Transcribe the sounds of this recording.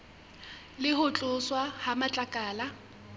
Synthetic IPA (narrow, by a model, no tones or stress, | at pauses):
lɪhʊt͡ɬʼʊswahamat͡ɬʼakʼaːla